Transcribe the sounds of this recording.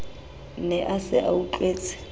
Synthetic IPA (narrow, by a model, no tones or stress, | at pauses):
nɛʔasɪʔauǃweːt͡sʼɪ̥